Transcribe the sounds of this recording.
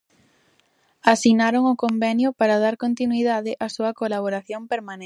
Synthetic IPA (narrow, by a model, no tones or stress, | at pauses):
asinaɾoŋʊkombɛnjʊpaɾaðaɾkont̪inwiðaðɪʔasuɐkolaβ̞oɾaθjompeɾmãne